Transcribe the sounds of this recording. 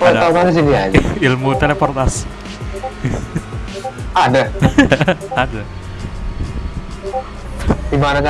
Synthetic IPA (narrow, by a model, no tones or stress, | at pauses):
aat̪ais̬iniad͡ʒilmut̪elepɔrt̪as | ada | ada | dibanaka